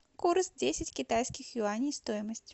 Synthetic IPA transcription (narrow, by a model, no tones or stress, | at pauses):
kursdʲesʲɪtʲkʲɪt̪ajskʲɪxjʊanʲɪjst̪ojɪməsʲtʲ